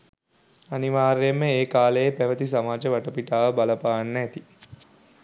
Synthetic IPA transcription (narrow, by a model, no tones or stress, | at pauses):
aniʋaːɾjemːəeːkaːlejepæʋət̪isamaːd͡ʒəʋɐʈəpiʈaːʋəbalɐpaːnːt̪i